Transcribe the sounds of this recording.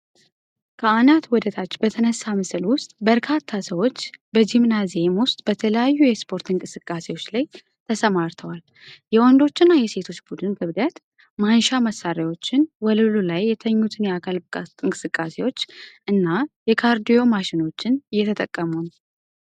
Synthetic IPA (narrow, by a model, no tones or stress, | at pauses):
kʰəanat̪wɔd̪ət̪ʰat͡ʃːb̥ət̪ʰənəsːamɨsɨlwʊst̪ʼbəɾkʰat̪ʰːasəwo̞t͡ʃːbəd͡ʒimnazemwʊst̪ʼb̥ət̪ʰələjajːujɛspʰo̞ɾt̪ʰiŋkʼɨsɨkʼːase̞wo̞t͡ʃːlaj | t̪ʰəsəmaɾt̪ʰəwal | jɛwɔnd̪o̞t͡ʃːɪnːajɛse̞t̪ʰo̞t͡ʃːbud̪ɨnɡʰɨβd̪ət̪ | manʃaməsːaɾawo̞t͡ʃːɪnwɔlɨlulajːɛt̪ʰəɲːut̪ʰɨnjɛakʰalʼɨŋkʼɨsɨkʼːase̞wo̞t͡ʃːʔɨnːajɛkʰaɾd̪ijo̞maʃɪno̞t͡ʃːɪnjːɛt̪ʰət̪ʼəkʼːəmun